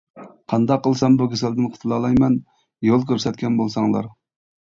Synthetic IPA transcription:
qʰɑnd̪ɑqːəlˠsɑmbukʲʰesɪld̪ɪnqʰə̥t̪ʰɨlˠɑlˠɑjmɛn | jolˠkʲøɾsɛt̪̚kʲʰɛnbolˠsɑŋlˠɑ̰ɾ

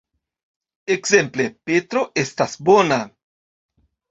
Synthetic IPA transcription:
eksẽmplepet̪ɾoʔest̪asbona

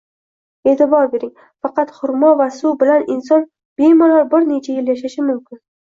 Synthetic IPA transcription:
e̞t̪ʰɪbɒɾbe̞ɾɪŋ | fɑqɑt̪hʊɾmɒvasʊbɪlanɪnsɒn | b̥ejmɒlɒɾbɪɾne̞t͡ʃʰajɪljaʃaʃɪmʊmkʲʰɪn

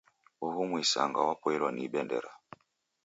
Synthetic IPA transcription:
uhumwisa̰ŋɡawapɔɛlwaniɓɛndɛ̰ɾa

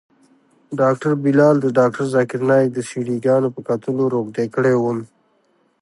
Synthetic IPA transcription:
ɖɑːk̚ʈəɾbilɑːld̪əɖɑːk̚ʈəɾzakɪɾnɑd̪əsiɽiɡɑːnopəkat̪əloɾoɡɖ̪ekəɽewum

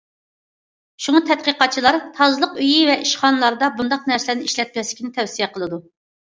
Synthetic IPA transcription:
ʃuŋɑt̪ʰɛt̪̚qəqɑt͡ʃʰilˠɑɾt̪ʰɑzɨlˠəqyjivɛʔiʃχɑnɨlˠɑɾd̪ɑbund̪ɑqnɛɾsɪlæɾnɪiʃlɛt̪̚mʲɛslɪkʲinɪt̪ʰɛfsijɛqʰəlˠɨd̪u

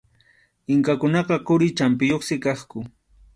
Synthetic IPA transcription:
ɪŋkakʊnɑqɑqʊɾɪt͡ʃampɪjoχsɪkɑχkʊ

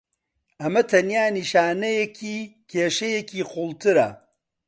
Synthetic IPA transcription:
ɐmɐt̪ʰɐnjaːniʃaːnɐjekʰiːkʰeːʃɐjekiːχulˠt̪ʰɨɾɐ̰

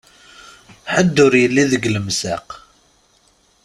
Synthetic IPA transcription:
ħəd̪ːʊɾjəlːiðəɡləmsaq

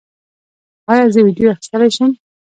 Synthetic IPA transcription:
ɑjɑzəwidjoaxɪ̥st̪əlajʃəm

